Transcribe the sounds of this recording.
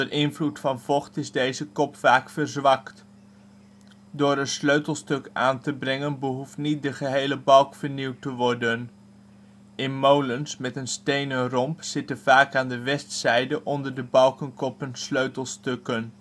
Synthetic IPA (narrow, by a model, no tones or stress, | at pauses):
ərʔɪnvlutfɑnv̥ɔχtɪzdejzəkɔpfaːkfərzʋɑkt | dʊːɾənsløɥtəlˠstøkaːntəbrɛŋənbəɦuftnit̚dəχəɦejləbɑlˠkfəɹniwtəʋɔɹdən | ɪnmowlənsmɛtənstejnərɔmpsɪtəv̥aːkaːndəʋɛstsɛjdəʔɔndərdəbɑlˠkənkɔpənsløɥtəlˠstøkən